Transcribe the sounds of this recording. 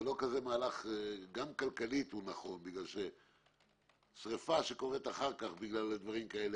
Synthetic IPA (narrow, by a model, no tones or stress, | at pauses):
lo̞kaze̞maːlaχɡamkalkalit̪hunaχo̞nbiɡlalʃe | sʁefaʃeko̞ʁet̪aχaʁkaχbiɡlalːed̪vaʁimkae̞le